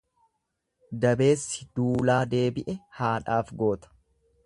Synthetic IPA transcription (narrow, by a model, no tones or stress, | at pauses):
d̪ɐbe̞ːsːɪd̪̥uːlaːd̪e̞ːbɪʔɛhaːᶑaːfɡo̞ːt̪ɐ̥